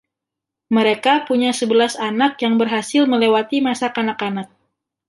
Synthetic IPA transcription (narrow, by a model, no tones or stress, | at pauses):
məɾekapuɲasəbəlasanak̚jaŋbərɦasɪlməlewat̪imasakanakanak̚